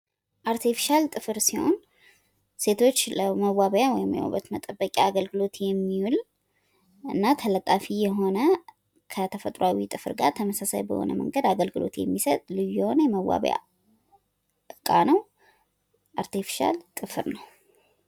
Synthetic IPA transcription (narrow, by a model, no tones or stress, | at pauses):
ʔaɾt̪ʰifi̥ʃalt̪ʼɨfɨɾsiho̞̰n | se̞t̪ʰo̞t͡ʃːləməwaβəjawɔjɪmjɛ̰o̰bət̪mət̪ʼəbːəkʼaaɡəlɡɨlo̞t̪jɛmːiwul | ʔɨnːat̪ʰələt̪ʼːafijɛɦo̞nə | kʰət̪ʰəfət̪ʼɾoawit̪ʼɨfɨɾɡa̰ɾt̪ʰəməsasajbə̰ho̰nə̰mə̰ŋɡəd̪aɡəlɡɨlo̞̰t̪jɛ̰mːisət̪ʼlɨjjɛho̞nəjɛməwa̰βə̰ja̰ | ɨkʼːanəw | ʔaɾt̪ifi̥ʃa̰lt̪ʼɨfɨɾnəw